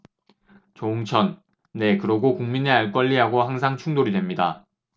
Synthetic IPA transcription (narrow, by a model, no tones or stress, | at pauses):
t͡ɕouŋt͡ɕʰʌnː | e̞kɯɾʌɡokuŋmineaɭk͈ʌʎːiɦaɡoɦaŋs̬ʰaŋt͡ɕʰuŋdoɾidwe̞mɲida̰